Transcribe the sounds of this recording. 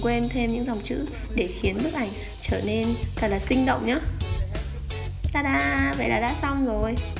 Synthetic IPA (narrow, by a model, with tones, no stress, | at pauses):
kwe˧nt̪ʰe˧mɲɨ̰˧˥ŋza˨˩wŋ͡mt͡ɕɨ̰˧˥ | ɗe˧˩xi˨˦ənmɨ˦˥ək̚ʔa˧˩jŋ̟ | t͡ɕəː˧˩ne˧nt̪ə˨˩t̚laː˨˩sï˧ŋɗə̰˧˨wŋ͡mɲaː˨˦˥ | t̪aː˧˩ɗa̰ː˧˥və̰˧˨jlaː˨˩ɗa̰ː˧˥sa˧wŋ͡mzo˨˩j